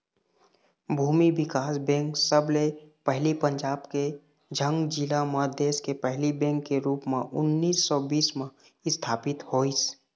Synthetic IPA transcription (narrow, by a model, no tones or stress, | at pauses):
bʱuːmibɪkaːsbɛ̃ːŋksəblepɛɦlipə̃ɲd͡ʒaːbke | d͡ʒʱə̃ŋɡd͡ʒɪlaməd̪eːskepɛɦlibɛ̃ːŋkːeɾuːpmẽʔʊnːiːsːɔːbiːsmẽ | ɪst̪ʰaːpɪt̪hoːis